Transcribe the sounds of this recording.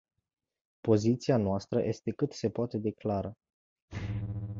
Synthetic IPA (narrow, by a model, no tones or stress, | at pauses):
po̞zit̪sianoast̪ɾəjʔe̞st̪e̞kɨt̪se̞poat̪e̞d̪e̞klaɾə